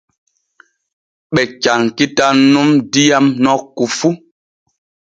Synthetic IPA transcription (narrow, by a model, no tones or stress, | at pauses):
ɓɛcaŋkitannːumdijamnɔkːufu